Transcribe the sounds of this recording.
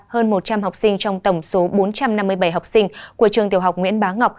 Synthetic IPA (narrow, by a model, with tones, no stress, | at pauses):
həː˧nmo˨˩t̚t͡ɕa˧mɦa˨˩wk͡p̚sï˧ŋ̟t͡ɕɔ˧wŋ͡mt̪ə˧˩wŋ͡mso˨˦ɓo˨˦nt͡ɕa˧mna˧mːɨ˧əjɓa˧˩jɦa˨˩wk͡p̚sï˧ŋ̟ku˧˩ət͡ɕɨ˨˩əŋt̪i˨˩əwɦa˨˩k͡pŋwḭ˧˥ənɓaː˨˦ŋa˨˩wk͡p̚